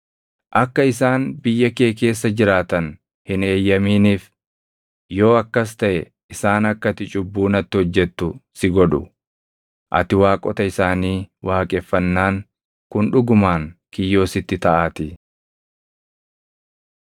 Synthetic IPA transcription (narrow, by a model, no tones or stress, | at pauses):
ʔɐkːɐɪsaːnbɪjːɐke̞ːke̞ːs̬ːɐd͡ʒɪɾaːt̪ɐn | hɪne̞ːjːɐmiːniːf | jo̞ːɐkːɐs̬t̪ɐʔɛ | ɪsaːnɐkːɐt̪ɪt͡ʃʼʊbːuːnɐt̪ːɪhɔd͡ʒːɛt̪ːʊsɪɡɔᶑʊ̰ | ʔɐ̰t̪ɪwaːkʼɔ̰t̪ɐɪsaːniːwaːkʼɛfːɐnːaːŋ | kʊnᶑʊɡʊmaːŋkɪjːo̞ːsɪt̪ːɪt̪ɐʔaːt̪ɪ